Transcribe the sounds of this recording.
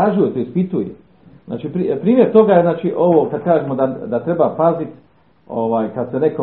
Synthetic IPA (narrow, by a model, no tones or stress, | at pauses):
aːʒijot̪oispit̪ujḛ | zna̰ːt͡ʃipɾipɾiːmjeɾt̪o̞ɡajeznaːt͡ʃiʔo̞ʋoːkad̪̚kaːʒemod̪ad̪at̪ɾe̞bapazit̪ | oʋaːjkad̪sene̞ko